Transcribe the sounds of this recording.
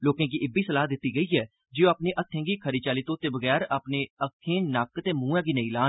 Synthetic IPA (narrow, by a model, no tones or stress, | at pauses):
loːkẽːk̬iːʔɪbiːsəlaːd̪ɪt̪ːiːɡəiːɛː | d͡ʒiõaːpneːʔət̪ʰːẽːŋɡiːkʰəɾiːt͡ʃaːliːt̪õːt̪eːbəɣɛːɾaːpneːəkʰːẽːnaːkt̪eːmũːãːɡiːnəĩːlaː